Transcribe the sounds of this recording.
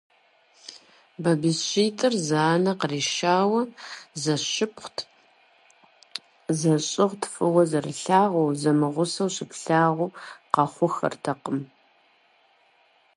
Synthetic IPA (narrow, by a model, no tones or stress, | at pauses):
bɐbisɕiːtʼɨrzaːnɐqəriːʃaːwɐzɐɕɪpχʷtʰ | zɐɕʼɪʁtʰfʼɨwɐzɐrɨɬaːʁʷuːzɐmɨʁʷʊsɐwɕɪpɬaːʁʷʊqɐχʷʊxɐ̰rtʰɐqəm